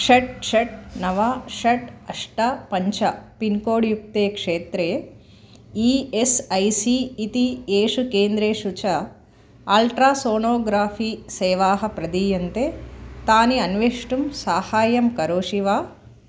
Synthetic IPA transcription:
ʂɐʈ̚ʂɐʈnɐʋaʂɐʈɐʂʈapɐɲt͡ʃɐpinkoːɽjuk̚t̪eːkʂeːt̪ɾeː | iːesɐjsiːt̪ieːʂukeːnd̪ɾeːʂut͡ʃɐ | aːlʈɾaːsoːnoːɡɾaːfʰiːsɛːʋaːɦɐpɾɐd̪ijɐnt̪eːt̪aːniɐnʋeʂʈumsaːhaːjɐmkɐɾoːʂiʋaː

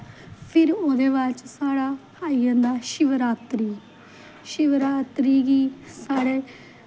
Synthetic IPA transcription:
pʰɪɾoːd̪eːʋaːɾt͡ʃsaːɽaː | aːiːãːnd̪aːʃɪʋəɾaːt̪ɾiː | ʃɪʋəɾaːt̪ɾiːɡiːsaːɽeː

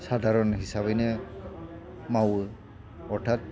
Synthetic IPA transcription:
sadʱaɹɔnɦisabɛnɛ | maw | ɔɹtʰat̚

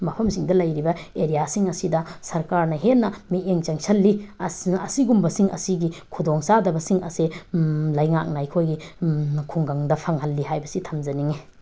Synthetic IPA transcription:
mɐpʰɐmsiŋdɐlɐjɾibɐeɾijasiŋɐsidɐsɐɾkaɾnɐɦenːɐmieŋt͡ʃɐŋsɐlːiɐsiɡumbɐsiŋɐ̰siɡikʰudoŋsadɐbɐsiŋɐ̰selɐjŋak̚najkʰojɡikʰuŋɡaŋdɐpʰaŋhɐlːiɦajbɐsitʰɐmzɐniŋe

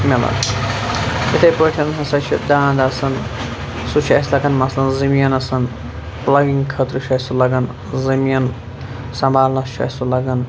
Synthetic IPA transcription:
mɐlɐ̰k | it̪ʰɐjpəʈʰɐnɦɐsɐt͡ʃʰid̪aːnd̪ɐsɐn | sut͡ʃʰɐ̰slɐɡɐnmɐslɐnzɐmjɐnɐsɐn | plɐɡiŋɡkʰɐt̪ɾɨʃʰɐsulɐɡɐn | zɐmijɐn | sɐ̃mbaːlnɐt͡ʃʰɐ̰sulɐɡɐn

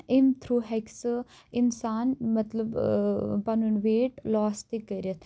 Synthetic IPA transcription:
ɪmt̪ʰɾuːɦɛks | ɪnsaːnmɐt̪ləbpanunʋeːʈlɔːst̪ikːəiɾət̪ʰ

